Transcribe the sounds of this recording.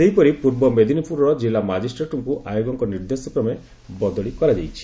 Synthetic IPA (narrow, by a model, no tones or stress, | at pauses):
seɦipɔɾipuɾbɔmed̪ʱinipʰuɾɔɾɔd͡ʒilamad͡ʒisʈɾeʈɔŋkuʔajoɡɔŋkɔniɾd̪esɔpɾɔme | bɔd̪ɔɭikɔɾad͡ʒajt͡ʃʰi̥